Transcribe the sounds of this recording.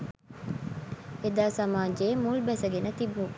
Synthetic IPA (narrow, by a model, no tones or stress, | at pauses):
ed̪aːsɐmaːd͡ʒeːmulbɛsɐɡenət̪ibu